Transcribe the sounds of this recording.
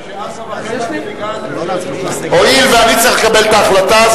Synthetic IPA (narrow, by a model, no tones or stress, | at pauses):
hoilveanit͡saʁiχlekabelt̪aːχlat̪az